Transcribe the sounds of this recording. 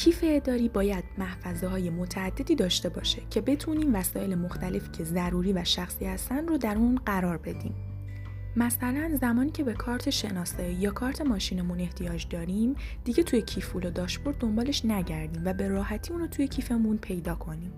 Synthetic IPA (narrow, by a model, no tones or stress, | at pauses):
cʰiːfeːd̪ɒːɾiːbɒːjæd̪̥̚mæhfæzeɦɒːje̞mot̪ʰæːd̪̥ːe̞d̪iːd̪ɒːʃt̪e̞bɒ̰ːʃecʰe̞be̞t̪ʰuniːmvæsɒːʔe̞lemoxt̪ʰæle̞fiːcʰe̞zæɾuɾiːvæʃæxsiːhæst̪ænrod̪æɾunɢæɾɒːɾbe̞d̪ḭːm | mæsælænzæmɒːniːcʰe̞be̞kʰɒːɾt̪ʰe̞ʃe̞nɒːsɒːijɒːkʰɒːɾt̪ʰe̞mɒːʃiːne̞mune̞ht̪ʰijɒːd͡ʒd̪ɒːɾimd̪̥iɟe̞t̪ʰujecʰifulod̪ɒːʃboɾd̪o̞mbɒːle̞ʃnæɟæɾd̪iːmvæbe̞ɾɒːhæt̪ʰiːuːnɾoːt̪ʰuje̞cʰiːfe̞munpʰe̞jd̪ɒːkʰo̞niːm